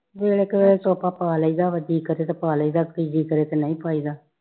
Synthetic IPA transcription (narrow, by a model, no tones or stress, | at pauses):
ʋeːɽeːkəʋeːet͡ʃɔːpaːpaːləiːd̪aːʋəd̪iːkəɾeːt̪eːpaːləiːd̪aːkid͡ʒiːkəɾeːt̪enə̃ĩːpaːiːd̪aː